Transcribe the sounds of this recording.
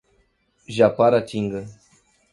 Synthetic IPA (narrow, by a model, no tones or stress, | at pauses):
ʒapaɾat͡ʃiŋɡə